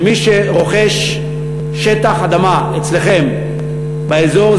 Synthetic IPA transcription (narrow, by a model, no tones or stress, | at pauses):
miʃeʁo̞χe̞ʃ | ʃet̪aχad̪amaet͡sle̞χem | baezo̞ʁ